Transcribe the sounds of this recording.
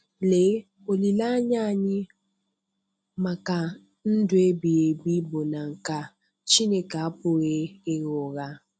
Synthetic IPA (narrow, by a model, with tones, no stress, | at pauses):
le˨˦ | o˨li˨la˦ɲa˦˨ɲɪ˦ | ma˨ka˨ | n̩˦dʊ˦e˦bi˨e˨bi˦bo˨na˨ŋ̩˨ka˨ | t͡ʃi˦ne˨ka˨a˦pʊ˦ɣe˦e˦ɣo˨ɣa˦